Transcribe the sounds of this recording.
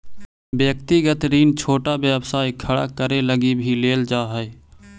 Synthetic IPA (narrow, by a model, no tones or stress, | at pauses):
bjəkt̪iɡət̪ɾiːnt͡ʃʰoːʈabjəbsaːikʰəɽa̰kəɾeləɡibʱileːld͡ʒaːɦə